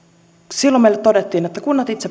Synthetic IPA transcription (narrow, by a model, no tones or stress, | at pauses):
silːomeilet̪t̪odet̪ːiːnjot̪ːækunːɑt̪it̪se